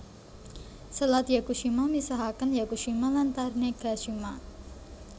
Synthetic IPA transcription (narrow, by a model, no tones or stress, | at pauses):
səlat̪jakuʃimamisaɦakənjakuʃimalant̪aɾneɡ̥aʃima